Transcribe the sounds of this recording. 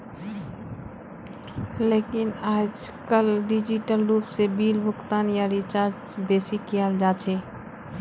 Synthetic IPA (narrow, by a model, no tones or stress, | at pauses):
lekinaːd͡ʒkəlɖid͡ʒiʈəlɾupsebiːlbʱʊkt̪anjaɾit͡ʃad͡ʒ | besikijald͡ʒat͡ʃʰɛ